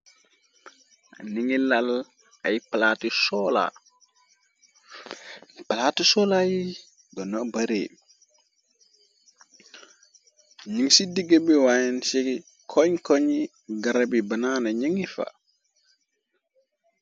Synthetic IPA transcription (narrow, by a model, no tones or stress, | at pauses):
a̰niŋilal | ajpalatisɔla̰ | palatisɔlaji | dɔnɔbaɾḛ | ɲiŋsidiɡebiwajɛnsi | kʰɔɲkɔɲi | ɡaɾabibananaɲiŋifa̰